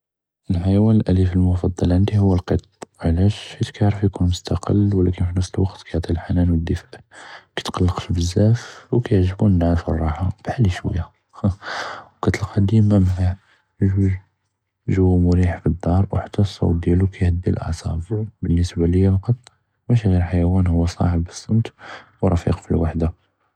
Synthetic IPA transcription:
əlħajwænəlʔælifəlmʊfɑd̪ˤːɑlʕənd̪ihʊwːəlqət̪ˤʕlæʃhæt̪kæʕɾəfjkunmʊst̪ɑqʰə̰lwlækənfinəfsəlwɑqt̪kʰæjəʕt̪ˤilħanænwəd̪ːəfæ̥ʕkæ̥t̪qɑlːəqʃbəzːæfwkæjəʕʒəbunnːʕafə̰rˤːɑħab̥ħalːiʃwæ̰jːa | wkæt̪əlqɑd̪imæmʕa | ʒuʒ | ʒəwːæmʊɾiħfid̪ːɑɾˤwəħt̪ːɑsˤːɑ̰wd̪jælukʰæjhəd̪ːilʔɑ̰ʕsˤɑ̰bbənːəsbaləjːafɑqɑt̪ˤ | mæʃiɣiɾħajæwænhʊwːæsˤɑ̰ħəbːəsˤːɑnt̪wɾˤɑfḭqfilwaħd̪a

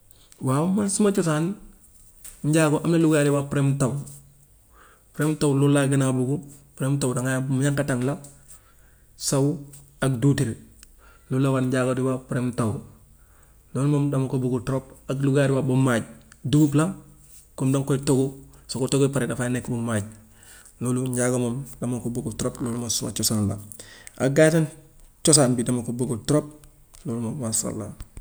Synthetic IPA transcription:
wamansimat͡ʃusan | ɲɟaːɡoʔamnaluɡjaɾiwapɾemtaw | pɾemtawlulːaɡinabuɡupɾemtawdaŋajamuɲaŋkataŋla | sawaɡdutiɾ | lulːawaɲɟaɡodiwapɾemtawu | loːlmomdamokobuɡutɾopaɡluɡadiwabumaɟ̚duɡupla | kumdaŋkoitoɡosokotoɡopaɾedafanekbumaːɟ | loːluɲɟaɡomomdamakoboɡutɾoploːlumosuma̰t͡ʃosaːnla̰a̰ɡatan | t͡ʃos̬aːnbidamakoboɡutɾop̚ | loːlmomwasa̰lːa̰

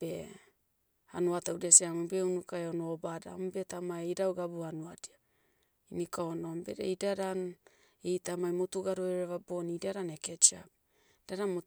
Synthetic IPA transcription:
b̥e | hanuataudiasiamubeunukaeonobada̰mube̞tamaejɾawɡabuanuadia | inikaono̞mbe̞̰ɾḛidaɾan | ejtamajmotuɡaɾoeɾeβabonidiaɾaneket͡ʃap̚ | daɾamo

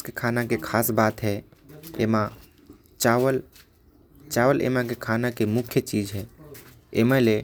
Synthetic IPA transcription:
kekʰanakekʰaːsbaːt̪ɦɛḛmã | t͡ʃaəl | t͡ʃaʋəlʔḛmãk̬ekʰanakemʊkʰjət͡ʃid͡ʒɦɛ | ḛmə̃le

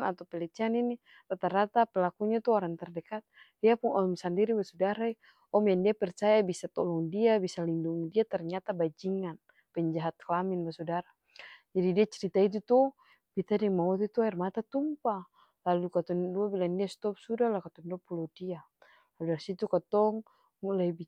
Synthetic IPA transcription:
nat̪awpɛlɛt͡ʃianini | rat̪aɾat̪apɛlakuɲat̪ɔɔɾaŋt̪ɛrdɛkat̪̚diapuŋɔmsandiɾibasudaɾai | ɔmjandiapɛrt͡ʃajabisat̪ɔlɔŋdiabisalinduŋidiat̪ɛrɲat̪abad͡ʒiŋan | pɛɲd͡ʒaɦat̪̚klaminbasudaɾa | d͡ʒadidiat͡ʃɛɾit̪ait̪̬ut̪ɔ | b̥it̪adɛmaut̪ɛt̪uaɛrmat̪at̪umpa | lalukat̪ɔŋduabilandiast̪ɔp̚sudalakat̪ɔŋdɔpulɔdia | laludaɾisit̪ukat̪ɔŋ | mulaib

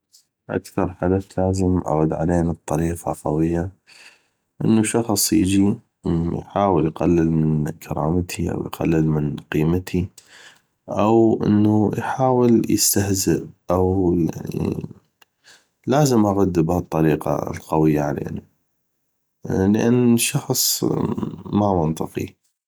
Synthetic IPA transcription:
ʔa̰kθɑɾˤħad̪aθlaːzəmʔa̰ɣʊd̪ʕa̰leːnɨt̪ˤːɑɾiːqɑqɑwɪjːa | ʔə̰nːuʃɑxsˤjɪ̰d͡ʒi | jħaːwəljqalːɪlmɪnnkʰɑɾˤɑ̰ːmt̪ʰiʔa̰wjqa̰lːəlmɪnqiːmat̪ʰi | ʔawʔəɪ̰nːujħaːwəljə̰st̪ahzɪʔʔawja̰ʕnḭ | laːzəmʔaɣad̪ːɪbhat̪ˤːɑɾiːqɑ̰lqɑwɪjːaʕalḛːna | ləʔanːʃɑxsˤ | mamʊnt̪ˤɨqḭ

